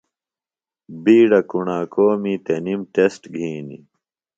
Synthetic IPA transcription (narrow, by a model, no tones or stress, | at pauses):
biːɽɐkuɳaːkoːmit̪enimʈesʈɡʱiːnḭ